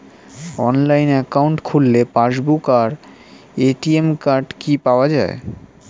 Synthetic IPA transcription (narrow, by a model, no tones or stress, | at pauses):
ɔnlajnɛkauɳʈkʰulːepaɾʃbukaɾ | eʈiemkaɾɖkipaoad͡ʑae